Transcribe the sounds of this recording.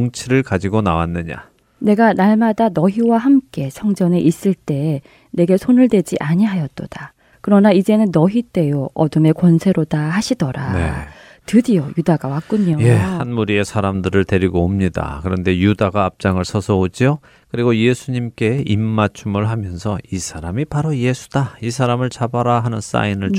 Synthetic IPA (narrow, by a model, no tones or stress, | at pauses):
oŋt͡ɕʰiɾɯɭkad͡ʑiɡonawanːɯɲa̰ | ne̞ɡanaɭmadanʌɦiwaɦamk͈e̞sʰʌŋd͡ʑʌne̞ʔis͈ɯɭt͈e̞ | ne̞ɡe̞sʰonɯɭdwe̞d͡ʑiʔaɲiɦajʌt͈od̥a | kɯɾʌnaid͡ʑe̞nɯnːʌɦit͈e̞joʌ̰dɯme̞kʌnsʰe̞ɾodaɦaɕʰidʌɾane | tɯdijojudaɡawak͈uɲoje̞hanmuɾie̞sʰaɾamdɯɾɯɭte̞ɾiɡoːmɲida̰kɯɾʌnde̞judaɡaːp̚t͡ɕ͈aŋɯɭsʰʌsʰʌod͡ʑio | kɯɾiɡoje̞sʰuɲimk͈e̞imːat͡ɕʰumɯɭɦamjʌnsʰʌisʰaɾamipaɾoje̞sʰu̥d̥aisʰaɾamɯɭt͡ɕabaɾaɦanɯns͈a̰inɯɭt͡ɕ